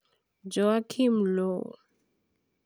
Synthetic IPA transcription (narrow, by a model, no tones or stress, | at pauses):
d͡ʒɔakʰimlɔ